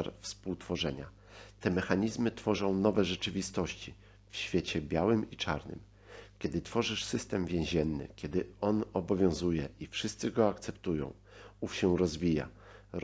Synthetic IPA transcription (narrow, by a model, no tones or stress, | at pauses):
aɾfspuwt̪fɔʐɛɲa̰ | t̪ɛmɛxaɲizmɘt̪fɔʐɔ̃w̃nɔvɛʐɛt͡ʂɘvʲist̪ɔɕt͡ɕi | fɕfʲjet͡ɕɛbʲjawɘmit͡ʂa̰ɾnɘ̰m | kʲjɛd̪ɘt̪fɔʐɘʂsɘst̪ɛmvʲjẽw̃ʑɛnːɘ̰kʲɛd̪ɘɔnɔbɔvʲjɔ̃w̃zujɛʔifʂɘst̪sɘɡɔakt̪sɛpt̪ujɔ̰̃w̃ | ufɕɛwɾɔzvʲija̰